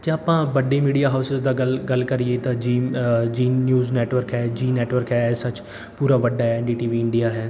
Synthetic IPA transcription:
d͡ʒeaːpãːbəɖiːmiːɖijaːɦaːʊsɪzd̪aːɡəlɡəlkəɾieːt̪ãːd͡ʒiːd͡ʒiːnjuːznɛːʈʋəɾkɦɛːd͡ʒiːnɛːʈʋəɾkɦɛːɛsat͡ʃ | puːɾaːʋəɖːaːɛɛɳʈiːʈiːʋiːɪɳɖijaːɦɛː

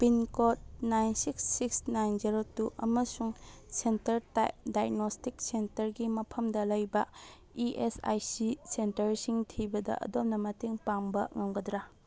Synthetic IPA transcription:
pinkot̚najnsiksːiksnajnziɾotuʔɐ̰mɐsuŋsentɐɾta̰jp̚dajnostik̚sentɐɾɡimɐpʰɐmdɐlɐjbɐ | iʔesa̰jsisentɐɾsiŋtʰibɐdɐ̰ʔɐ̰dom̚nɐmɐteŋpaŋbɐŋɐŋɡɐdɾa

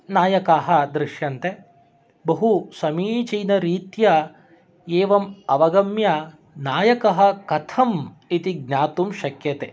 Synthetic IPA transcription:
naːjɐkaːɦɐ̆d̪ɾɪʃjɐnt̪e | bɐɦusɐmiːt͡ʃɐjnɐɾiːt̪jɐ | eːʋɐmɐʋɐɡɐmja | naːjɐkɐɦɐ̆kɐt̪ʰɐm | it̪iɡ̚ɲaːt̪umʃɐkjɐt̪eː

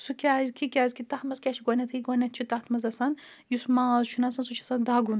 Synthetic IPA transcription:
sukʲaːzkʰikʲaːzkit̪ɐt̪mɐzkʲaːt͡ʃʰiɡʷɐnʲɐt̪ʰɨiɡɐnʲɐt̪̚t͡ʃʰit̪at̪mɐzɐsɐn | jusmaːzt͡ʃʰunɐsɐnsut͡ʃʰɐsɐnd̪aːɡun

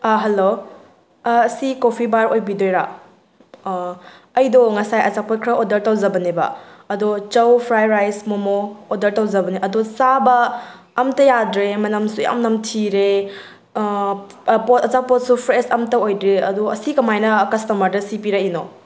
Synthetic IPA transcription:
aɦɐlo | ɐsikopʰibaɾojbidojɾa | ɐjdoŋɐsajɐzak̚pot̚kʰɾɐʔodɐɾtɐwzɐbɐnebɐ̰ɐdot͡ʃɐwpʰɾajɾajsmomoːdɐɾtɐwzɐbɐneʔɐdosabɐː | mtɐjadɾemɐnɐmsuɐ̰mnɐmtʰiɾe | potɐt͡ʃak̚pot̚supʰɾesɐmtɐojdɾeɐ̰duɐsikɐmajnɐkɐstɐmɐɾdɐsipiɾɐino

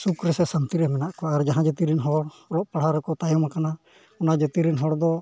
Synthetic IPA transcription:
sukɾɛsɛsamt̪iɾɛmɛnaʔkɔaɾd͡ʒaɦãd͡ʒɛt̪iɾinɦɔɽ | lɔʔpaɽɦaɾɛkɔt̪ajɔmakana | ɔnad͡ʒət̪iɾinɦɔɽd̪ɔ

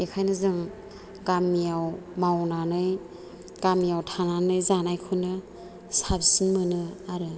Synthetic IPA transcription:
ekʰajnɯzɯŋ | ɡamːijaw | mawnanɯj | ɡ̥amijawtʰananɯjzanajkʰɯnɯ | sabsinmɯnɯaɾɯ

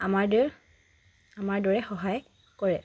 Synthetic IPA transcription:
amaɹdɔɹ | amaɹdɔɹɛxɔɦaj | kɔɹɛ

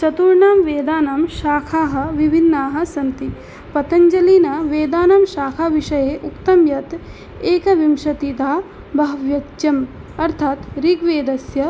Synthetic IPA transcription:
t͡ʃɐt̪uɾɳaːmʋeːd̪aːnaːmʃaːkʰaːɦɐ̆ʋibʱinːaːɦɐ̆sɐnt̪i | pɐt̪ɐɲd͡ʒɐliːnɐʋeːd̪aːnamʃaːkʰaːʋiʂɐjeːʔukt̪ɐmjɐt̪ | eːkɐʋimʃɐt̪id̪aː | bʱɐʋjɐt͡ʃɐm | ɐɾt̪ʰaːt̪ɾiɡʋeːd̪ɐsjɐ

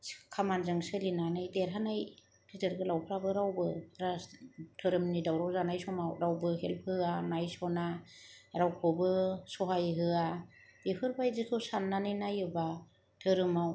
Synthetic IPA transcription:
kʰamanzɯŋsɯlinanɯjdeɾɦanaj | kʰizɯɾɡɯlawpʰɾabɯɾawbɯɾatʰɯɾɯmnidawɾawzanajsɔmawɾawbɯɦelpʰhɯanajsɔna | ɾawkʰɔbɯsɔɦajɦɯa | bipʰɯɾbajzɯtʰɔsanːanɯnajɯba | tʰɯɾɯmaw

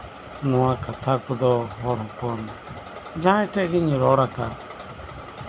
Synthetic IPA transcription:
nuwakat̪ʰakud̪ɔɦɔɾɦɔ̃kɔn | d͡ʒãɛʈɛʔɡiɲɾɔɾaka

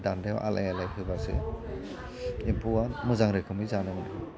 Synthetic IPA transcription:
dandewʔa̰lʔa̰jalajɦɯbasɯ̰ | impʰuamɯzaŋɾɯkʰɯmɯzanɯmɯnʰɯ

